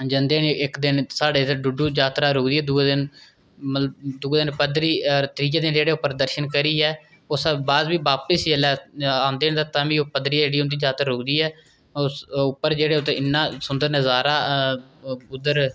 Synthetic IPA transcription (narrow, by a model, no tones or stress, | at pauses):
d͡ʒənd̪eːnɪkd̪ɪnsaːɖeːt̪ːɖʊɖuːd͡ʒaːt̪ɾaːɾʊːkd̪iːɛːd̪ud̪ɪn | mələd̪uːd̪ɪnpəd̪ɾiːɾt̪əɾiːkeːd̪ɪnd͡ʒeːɽeːʊpːəɾd̪əɾʃənkəɾiːɛː | osabaːd̪ʋiːbaːpəsjəlɛːãːnd̪eːnd̪aːt̪ãːʋiːoːpəd̪ɾiːd͡ʒeːɽiːõnd̪iːd͡ʒaːt̪ɾaːɾʊːkd̪iːɛː | oʊpːəɾd͡ʒeːɽeːʊt̪eːɪnːãːsʊnd̪əɾnɛːzaːɾaː | ʊd̪əɾ